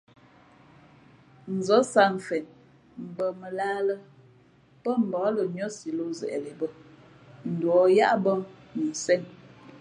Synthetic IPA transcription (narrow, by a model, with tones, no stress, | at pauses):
n̩˨zɔ˨˦sa˦ɱ˨fɛ˨n | m̩˨bə˨mə˨laː˦lə˦ | pə˦m̩˨bɔ˨˦lə˨ɲɔ˦si˨lo˦zɛ̰˨ʔɛ˨le˨bə˦ | n̩˨dwɔ˨ja˦ʔbə˦mu˨sɛ˦˨n